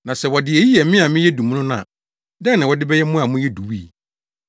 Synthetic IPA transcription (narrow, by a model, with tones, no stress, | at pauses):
nã˨sɛ˨wɔ˨dɪ˨ɛ˨ji˦jɛ˨˦mɪ̃˦a˨mɪ̃˦jɛ˦du˨m˦nʊ̃˦n˦ã̰˨ | dɛ̃˦nɪ̃˨wɔ˨dɪ˦bɛ˦jɛ˦mʊ̃˦a˨mʊ̃˦jɛ˦du˨wiː˦˨